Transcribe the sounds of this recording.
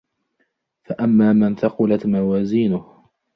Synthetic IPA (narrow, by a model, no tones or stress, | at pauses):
faʔamːaːmanθɑqʊlat̪mawaːziːnʊh